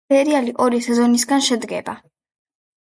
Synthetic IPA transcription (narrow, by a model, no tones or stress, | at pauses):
ɛɾialiʔɔɾisɛzɔnisɡanʃɛd̪ɡɛ̰ba